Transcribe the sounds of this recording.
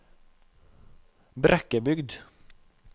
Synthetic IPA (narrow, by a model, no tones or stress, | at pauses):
bɾʔɛkːəbʏɡd̪